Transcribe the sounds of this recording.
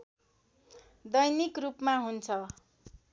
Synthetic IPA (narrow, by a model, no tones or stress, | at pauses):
d̪ʌjnikrupmaɦunt͡sʰʌ